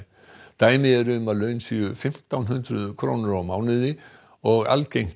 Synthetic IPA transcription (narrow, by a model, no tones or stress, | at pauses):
t̪aːjmɪɛɾʏʏmaðlœːɥnsiʏfɪm̥t̪awnɦʏnt̪ɾʏðkʰɾownɪɾawmaːwnɪðɪ | ɔɣa̰lcejŋ̥